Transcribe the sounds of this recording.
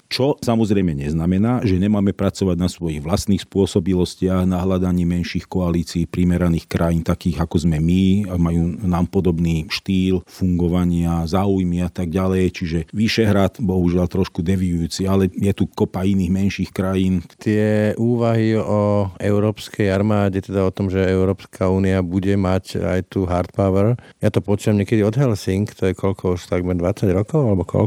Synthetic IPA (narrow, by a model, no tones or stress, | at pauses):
t͡ʃɔsamɔzɾɛjmɛɲɛznamɛnaːʒɛɲɛmaːmɛpɾat͡sɔʋaɟnasʋɔjiɣʋlast̪niːxspʊɔsɔbilɔscɪaɣnaɦlad̪aɲiːmɛnʃiːxkɔaliːt͡siːpɾimɛɾaniːxkɾʔajiːnt̪akiːɣakɔzmɛmimajuːnaːmpɔd̪ɔbniːʃt̪iːlfuŋɡɔʋaɲɪazaːujmiat̪aɡ̚ɟalɛjt͡ʃiʒɛʋiʃɛɦɾat̪bɔɦuʒɪalt̪ɾɔʃkud̪ɛʋijujuːt͡sialɛjɛt̪ukɔpainiːɣmɛnʃiːxkɾajiːnt̪ɪɛʔuːʋaɦiɔɛʊɾɔːpskɛjaɾmaːɟɛt̪ɛd̪aɔt̪ɔmʒɛɛʊɾɔːpskʰauːniabuɟɛmaca̰jt̪uːɦaɾt̪paʊɛɾ | jat̪ɔpɔt͡ʃuːʋamɲɛkɛd̪iɔd̪ɦɛlsiŋkt̪ɔjɛkɔʎkʰɔuʃt̪aɡmɛɾd̪ʋat͡saɟɾɔkɔʊalɛbɔkʰɔ̰l